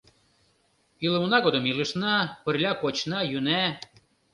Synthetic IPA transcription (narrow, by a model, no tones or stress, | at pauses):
ilə̆munɑɣod̪ə̆miləʃnɑpə̆rlʲɑkot͡ɕnɑjynæ